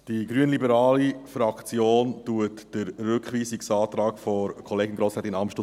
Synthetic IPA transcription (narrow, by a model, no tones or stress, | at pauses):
d̥iɡɾyənlibəɾɑːlifɾɑkt͡sjoːntuətd̥əɾːʏkχʋiːsiksɑːt̪ɾɑːkfɔɾkʰɔleːɡɪnɡɾosɾɛt̪ɪnɑmʃto